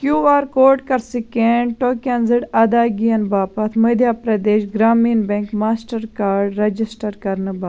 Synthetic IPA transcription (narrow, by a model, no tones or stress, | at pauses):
kjuːaːɾkoːɾʈkɐɾsikeɳʈoːkɐnziɽɐd̪aːɡijɐnbaːpɐt̪ʰmɐd̪ʱjapɾɐd̪eːʃɡɾaːmiːnbẽŋkmaːsʈɐɾkaːɾɖɾɐd͡ʒisʈɐɾkɐɾnɨba